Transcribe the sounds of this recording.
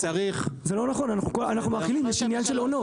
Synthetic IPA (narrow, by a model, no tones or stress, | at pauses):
t͡saʁiχzelo̞naχo̞nanaχnukoanaχnumaχilimjɛʃinjanʃe̞lo̞no̞